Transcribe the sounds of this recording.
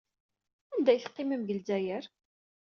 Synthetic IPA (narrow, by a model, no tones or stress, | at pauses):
ænd̪æjθəqːɪməmʝəlzæjəɾ